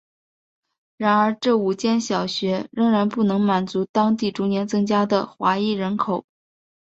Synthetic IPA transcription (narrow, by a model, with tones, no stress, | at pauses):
ɻa˧˥nə˞˧˥ʈ͡ʂɤ˥˩u˨˩t͡ɕjɛ˥nɕjɑ˨˩ʊɕɥɛ˧˥ɻə˥ŋɻa˧˥npu˥˩nɤ˧˥ŋma˨˩nt͡su˧˥t̪ɑ˥ŋt̪̬i˥˩ʈ͡ʂu˧˥njɛ˧˥nt͡sɤ˥ŋt͡ɕja˥d̪ə˨xwa˧˥i˥˩ɻə˧˥nkʰo˨˩˦ʊ